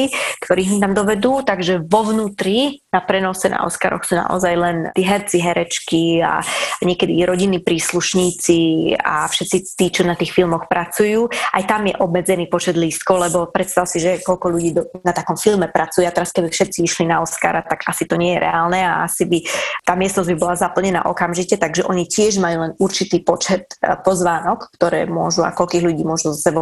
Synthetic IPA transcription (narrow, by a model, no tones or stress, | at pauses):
ikt̪ɔɾiːɦmit̪amd̪ɔʋɛd̪uːt̪aɡʒɛʋɔʋnuːt̪ɾinapɾɛnɔsɛna̰ɔ̰ska̰ɾɔ̰xsuːna̰ʔɔ̰zajlɛnt̪iːɦɛɾt͡siɦɛɾɛt͡ʃkia̰ɲɪɛkɛd̪iɾɔɟinːiːpɾiːsluʃɲiːt͡sia̰fʃɛt̪t͡sit̪iːt͡ʃɔnat̪iːxfilmɔxpɾat͡sujuːʔa̰jt̪amjɛ̰ʔɔbmɛd͡zɛniːpɔt͡ʃɛd̪liːst̪̚kɔʊlɛbɔpɾɛt̪st̪aʊsiʒɛkɔʎkɔʎuɟiːd̪ɔnat̪akɔmfilmɛpɾʔat͡sujɛat̪ɛɾaskɛbifʃɛt̪t͡siiʃlinaɔska̰ːɾat̪aɡasit̪ɔɲɪɛjɛɾʔɛ̰aːlnɛaasibit̪aːmɪɛsnɔzɟbibɔlazapl̩ɲɛna̰ːʔɔkamʒicɛt̪aɡʒɛʔɔɲicɪɛʒmajuːlɛnuɾt͡ʃit̪iːpɔt͡ʃɛt̪pɔzʋaːnɔkːt̪ɔɾɛ̰ːmʊɔʒua̰kɔʎkiːɣʎuɟiːmʊɔʒuzɔsɛbɔ